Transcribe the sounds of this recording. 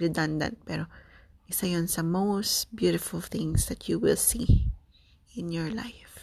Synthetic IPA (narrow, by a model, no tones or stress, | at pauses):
ɹɛd̪ɐ̃nd̪ɐ̰̃nt̪̚pɛɾo | ʔɪsajonsɐmostbjuɾɪfʊlθɪ̃ŋsd̪ɐt̪juwɪlsi | ʔɪ̃njɔɹla̰jf